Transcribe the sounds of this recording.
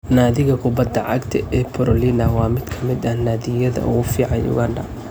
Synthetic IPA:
naːðɪɣɐkʰʊbɐd̪ːɐʕɑ̰ɡt̪ʰɐʔɛːpʰɔɾɔlinɐwɑːmɪd̪kʰɐmɪd̪ɐhnaːðɪjɐðɐ̰ʔʊ̰ɣʊfiːʕɑjʊ̰ɣɐɳɖɐ

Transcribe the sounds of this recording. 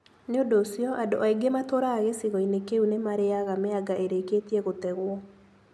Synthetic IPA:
neodoːsiɔʔadoʔaiɡematoɾaːɣesiɣɔinekeunemaɾeaɣameaɡaʔeɾeketiɛɣotɛɣwɔ

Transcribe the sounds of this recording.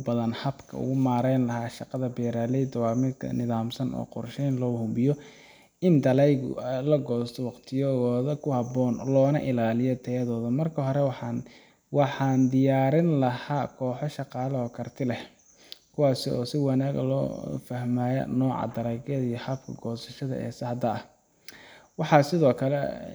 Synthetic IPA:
bɐðɐnhɐbkʰɐ̰ʊ̰ɣʊmaːɾɛjnlɐɦaːʃɑqɑðɐbɛːɾaːlɛd̪ɔwɑːmɪd̪kʰɐ̰nɪðaːmsɐnɔ̰ːqʊrʃɛjnlɔːhʊbɪjɔ | ɪnd̪ɐlɛjlɐɡɔːst̪ʰɔwɑqt̪ʰɪjɔɣɔːðɐkʰʊhɐbɔːnlɔːnɐʔɪlaːlɪjɔt̪ʰɛɐðɔːðɐmɐrkʰɐɦɔɾɛw | wɑħɑːnd̪ɪjaːɾɪnlɐhaːkʰɔːħɔʃɑqɑːlɐɔːkʰɐrt̪ʰɪlɛh | kʰʊwɑːsɪɔ̰ːsɪwɑnaːɣɐ̰lɔ̰ːfɐhmaːjɐ̰nɔːʕɑ̰d̪ɐɾɛɣɐðijhɐbkʰɐ̰ɡɔːsɐʃɐðɐ̰ʔɛ̰ːsɐhɐd̪ɐɐ | wɑħɑsɪðɔːkʰɐlɛ̰

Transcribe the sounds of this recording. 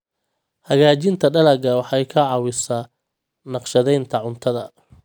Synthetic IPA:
hɐɣaːt͡ʃɪnt̪ʰɐɖɐlɐɡɐwɑħɑjkʰɐʕɑwɪsɐ | nɑqʃɐðɛjnt̪ʰɐʕʊnt̪ʰɐðɐ

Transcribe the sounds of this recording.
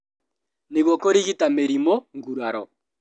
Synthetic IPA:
neɣwɔkoɾiɣitameɾimoŋɡuɾaɾɔ

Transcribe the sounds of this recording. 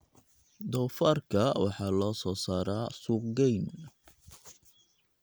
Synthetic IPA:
d̪ɔfarkʰɐwɑħɑːlɔːsɔːsaːɾaːsuɡɛjn

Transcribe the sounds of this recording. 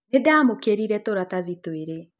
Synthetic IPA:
nedaːmokeɾiɾɛtoɾataðitweɾe

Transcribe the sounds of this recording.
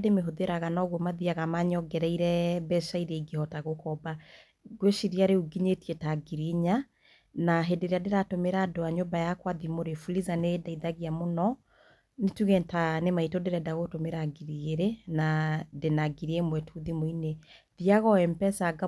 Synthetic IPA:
demeɦoðeɾaɣanaɣwɔmaðiaɣamaɲɔɡɛɾaiɾɛbɛʃaiɾeiɡehɔtaɣokɔba | ɡweʃiɾiaɾeuɡiɲetiɛtaɡiɾiɲa | naɦedeɾeadeɾatomeɾaːdoaɲombajakwaðimoɾefulizanedaiðaɣiamonɔ | netuɣɛntanemaitodeɾɛdaɣotomeɾaɡiɾieɾenadenaɡiɾiemwɛtʰuðimoineðiaɣɔɛmpɛsaɡa

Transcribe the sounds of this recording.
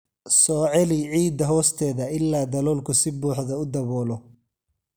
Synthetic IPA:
sɔːʕɛlɪʕiːd̪ɐɦɔːst̪ʰɛːðɐɪlːaːd̪ɐlɔːlkʰʊsɪbuːħðɐʊd̪ɐβɔːlɔ

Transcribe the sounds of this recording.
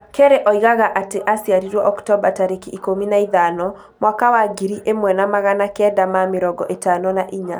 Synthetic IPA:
keɾeʔɔiɣaɣaʔateʔasiaɾiɾwɔʔɔktɔbataɾekiikominaiðanɔ | mwakawaɡiɾiʔemwɛnamaɣanakɛdamameɾɔɡɔʔetanɔnaʔiɲa

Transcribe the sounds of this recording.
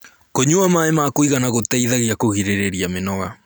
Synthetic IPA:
koɲuamaemakoiɣanaɣotɛiðaɣiakoɣiɾeɾeɾiamenɔɣa

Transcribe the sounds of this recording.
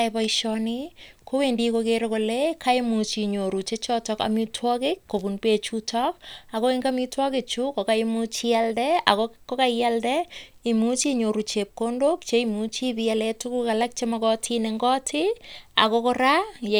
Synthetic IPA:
pajʃɔnikowendikokeɾokolekʰaemut͡ʃiɲoɾut͡ʃet͡ʃɔtɔka̰mitʰwɔkɪkːobunpet͡ʃutʰɔk̚akoeŋɡamitwɔket͡ʃukokaimut͡ʃialdɛa̰kokokajaldɛimut͡ʃiɲoɾut͡ʃep̚kondokt͡ʃeimut͡ʃipialɛtukukalak̚t͡ʃemakɔtʰineŋɡɔtʰɪa̰kokoɾa

